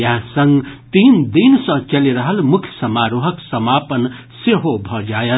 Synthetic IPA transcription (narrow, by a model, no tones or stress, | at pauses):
jaɦsʌŋɡt̪iːnd̪insʌ̃t͡ʃəliɾəɦəlmʊkʰjəsəmaɾuɦəksəmapən | seɦobʱʌd͡ʒajət̪